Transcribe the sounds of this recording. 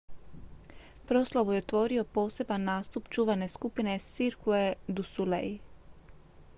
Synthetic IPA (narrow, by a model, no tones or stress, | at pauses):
pɾo̞slˠaʋujeot̪ʋo̞ɾio̞po̞ːse̞banːaːst̪upt͡ʃuːʋane̞skupine̞siɾkued̪usulḛj